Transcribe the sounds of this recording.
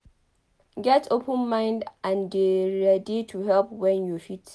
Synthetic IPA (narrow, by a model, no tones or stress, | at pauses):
ɡɛtʰopʰə̃nmãɪ̃ndʔãnbiɹɛditʰuhɛlpwɛ̃njufit